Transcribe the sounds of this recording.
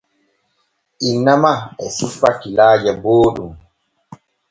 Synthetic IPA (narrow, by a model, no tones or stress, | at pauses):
ʔinːamaɛsifːakːilaːd͡ʒaboːɗum